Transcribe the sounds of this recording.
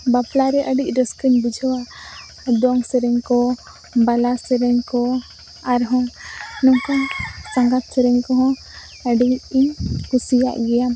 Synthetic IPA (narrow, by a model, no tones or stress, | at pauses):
baplaɾɛʔəɖic̚ˀɾəskəɲbud͡ʒʱɔwaʔ | d̪ɔŋsəɾɛɲkɔ | balasəɾɛɲkɔ | aɾɦɔ̃nɔkansaŋɡat̪̚sɛɾɛɲkɔɦɔ̃ | əɖiiɲkusija̰ʔɡɛja